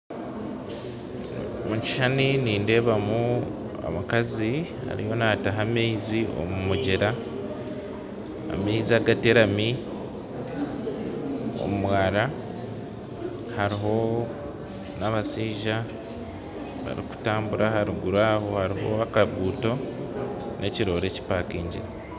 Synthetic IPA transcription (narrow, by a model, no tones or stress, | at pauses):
muci̥ʃaniniːnde̞ːβamu | a̰makaziha̰ɾḭjo̞nataɦameizio̞̰mumuɟeɾa | meiziaɡate̞ɾami | o̰mumwaːɾa | haɾiɦo̞ | naβasiːʒa | βa̰ɾḭku̥taːmbuɾahaɾiɡuɾaːho̞haɾiɦo̞akaβuːto̞ | nʔe̞ciɾo̞ːɾe̞ci̥paːkiːɲɟiɾa